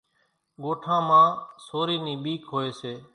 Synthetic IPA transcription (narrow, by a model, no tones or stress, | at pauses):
ɠoːʈʰãːmãːsoːɾiːnĩːɓiːkɦoːeːseː